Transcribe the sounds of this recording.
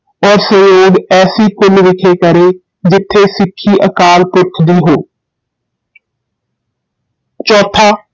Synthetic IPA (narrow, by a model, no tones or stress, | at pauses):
ɔːɾsəjoːɡɛːsiːkʊlʋɪkʰeːkəɾeː | d͡ʒɪt̪ʰːeːsɪkʰːiːʔə̰kaːlpʊɾt̪ʰd̪iːɦoː | t͡ʃɔːt̪ʰaː